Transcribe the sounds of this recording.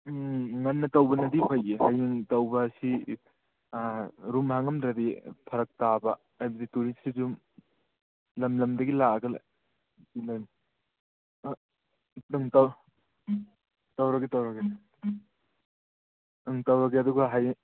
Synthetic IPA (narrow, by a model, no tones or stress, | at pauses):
ŋɐnːɐtɐwbɐnɐdipʰɐjehajiŋtɐwbɐːsi | ɾumhaŋɐmdɾɐdipʰɐɾɐk̚tabɐ | ɐjbɐdituɾissizum | lɐmlɐmdɐɡilaɐɡɐla̰ | ilani | dɐŋtɐw | tɐwɾɐɡetɐwɾɐɡe | ɐŋtɐwɾɐɡeɐduɡɐɦaj